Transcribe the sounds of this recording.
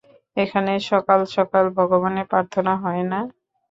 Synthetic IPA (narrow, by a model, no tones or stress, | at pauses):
ekʰaneʃɔkalʃɔkalbʱɔɡoβonepɾaɾt̪ʰonaɦɔena